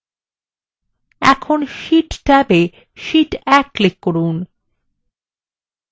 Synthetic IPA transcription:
ɛ̰kʰonʃiʈʈɛbe | ʃiʈɛkːlekːoɾun

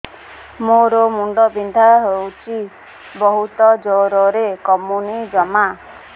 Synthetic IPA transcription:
moɾomuɳɖɔbind̪ʱaɦewt͡ʃʰi | bɔɦut̪ɔd͡ʒoɾɔɾekɔmunid͡ʒɔma

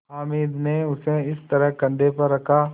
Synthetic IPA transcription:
ɦaːmiːd̪neʊseɪst̪ɐɾəɦkɐ̃ɳɖ̪epɐɾːɐkʰaː

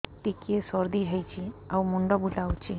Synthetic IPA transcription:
ʈ̪ikesɔɾd̪id͡ʒʱəjt͡ʃʰiawmuɳɖɔbulawt͡ʃi

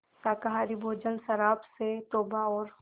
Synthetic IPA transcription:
saːkaɦaːɾibʱoːd͡ʒənsɐɾaːpset̪oːbaɔːɾ

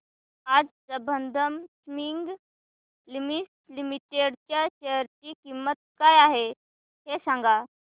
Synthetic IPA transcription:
ad͡zsəbənd̪ʱəmsmiŋɡ | limis | limiʈeɽt͡ɕjat͡ɕeɦəɾt͡ɕiːkimːət̪̚kajaɦe | hesãŋɡa

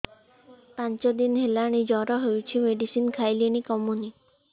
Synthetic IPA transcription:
pãnt͡ʃɔd̪inɦelaɽ̃id͡ʒɔɾɔɦejt͡ʃʰimeɖisinkʰajliɽ̃ikɔmuni

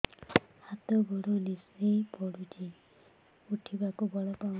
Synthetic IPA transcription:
hat̪ɔɡɔɽunisepɔɽud͡ʒi | uʈʰibakubɔɭɔpaw

